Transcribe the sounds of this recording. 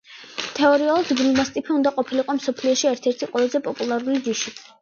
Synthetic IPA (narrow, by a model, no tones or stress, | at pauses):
t̪ʰɛɔɾialˠɔd̪ɡɾimast̪ʼipʰiund̪aqʼɔpʰiliqʼɔmsɔpʰliɔʃiɛɾt̪ʰɛɾt̪ʰiqʼwɛlˠazɛpʼɔpʼulˠaɾulid̪iʃi